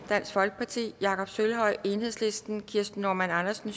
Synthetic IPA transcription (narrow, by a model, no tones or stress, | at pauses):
d̥æn̰sfɒ̽lɡ̥əpʰɑ̈t͡sʰḭːjɑ̈ːkʰɒ̽b̥sølɦɒ̽ɪe̝ːnhe̝ðˠslisd̥n̩kʰiɐsd̥n̩ːo̝ɐmænɑ̈nɐsn̩